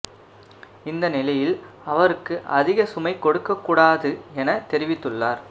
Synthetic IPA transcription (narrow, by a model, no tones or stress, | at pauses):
ɪnd̪ɐnɪlɐjɪl | ɐʋɐɾɯkːɯʔɐðɪɣɐsʊmɐɪkːɔɽɯkːɐkːuːɽaːðɯɛnɐt̪ɛɾɪʋɪt̪ːɯɭːaːɾ